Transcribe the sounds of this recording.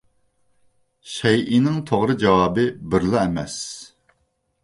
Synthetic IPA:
ʃɛjʔinɪŋt̪ʰoʁɾɨd͡ʒɑwɑːbɨbɪɾlˠɑɛmɛs

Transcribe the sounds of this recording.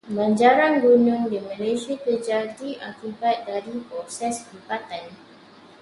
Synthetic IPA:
baɲd͡ʒaɾaŋɡunʊ̃ŋdimãleʃakəd͡ʒadiʔakibat̪̚daɾipɾɔsɛshibat̪an

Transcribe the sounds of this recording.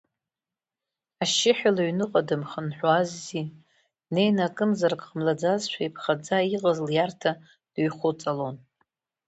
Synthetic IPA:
aʃɪħalaɥnɨqʼadɨmχənħʷᶣwazːi | ne̞jnakʼɨmzarkʼqəmlad͡zazʃʷᶣaipʰχad͡zaiqʼazɨljartʰa | d̥ɥχʷʊt͡sʼalon

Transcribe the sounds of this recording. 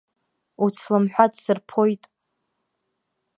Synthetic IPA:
ut͡sʰlɨmħʷᶣadsɨrpʰo̞jtʼ

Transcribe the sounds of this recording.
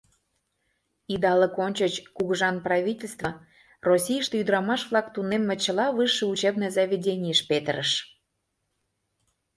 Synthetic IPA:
id̪ɑləkonʲt͡ɕət͡ɕkuɣəʒɑnprɑvʲitʲelʲst̪və̆ | rosʲijəʃt̪eyd̪əɾɑmɑʃβlɑkt̪unemːĕt͡ɕə̆lɑβɯʃeut͡ɕebnəzɑvʲedʲenʲijəʃpet̪əɾəʃ

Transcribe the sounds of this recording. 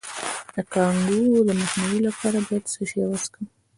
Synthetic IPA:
d̪əkɑŋɡuləmaxniwilapʰɑɾabɑjad̪səʃewaskəm

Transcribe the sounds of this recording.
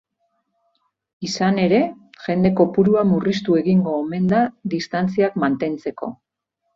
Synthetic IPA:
isane̞ɾe̞ʝe̞nd̪e̞ko̞puɾuamurist̪ue̞ɣiŋɡo̞ːme̞nd̪aðist̪ant͡siakmant̪e̞nt͡se̞ko̞̰

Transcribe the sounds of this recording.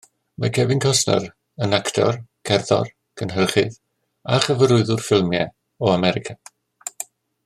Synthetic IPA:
məkʰɛbɪnkʰɔsnə̰ɾ | ənaktʰɔ̰rkʰɛrðɔ̰r | kʰənɦərχɪð | aχəvəɾʊɨðʊrfɪlˠmjɛ | ɔamɛɾɪkʰa

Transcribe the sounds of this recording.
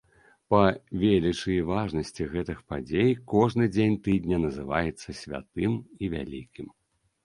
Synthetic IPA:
pɐvʲelʲit͡ʂɨjivaʐnɐsʲt͡sʲiɣɛt̪ɨxpad͡zʲejkɔʐnɨd͡zʲenʲt̪ɨd̪ʲnʲɐnɐzɨva̰jɛt̪sːɐsʲvʲa̰t̪ɨmivʲa̰lʲḭkʲim

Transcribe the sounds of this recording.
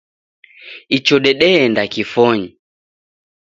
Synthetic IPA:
it͡ʃɔɗɛɗɛɛndakifɔɲi

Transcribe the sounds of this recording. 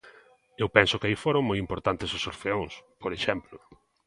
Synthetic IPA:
ewpɛnsʊkɪaifoɾõŋmojimpoɾt̪ant̪ɪsʊsoɾfeõŋspoɾeʃɛmplʊ

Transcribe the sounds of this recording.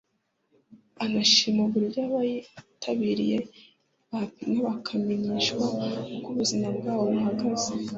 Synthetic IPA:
anaʃimoɡuɾjaːβajitʰaβiɾije | βaŋeβakʰameɲiːʃkwaukuβuzimabɡaːβo̞βaɦaɡaze

